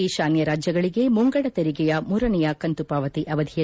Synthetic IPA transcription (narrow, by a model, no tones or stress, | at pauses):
iʃaːnjɐɾaːd͡ʒjɐɡɐɭiɡe̞muŋɡɐɽɐt̪ɐɾiɡɛjɐmuːɾɐnɛjɐkɐnt̪upaːʋɐt̪iʔɐʋɐd̪ʱijɐ